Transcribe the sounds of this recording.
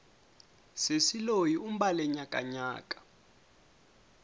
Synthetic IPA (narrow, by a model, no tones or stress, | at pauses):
sesilojium̩ɓalɛɲakʼa̰ɲa̰ːkʼḁ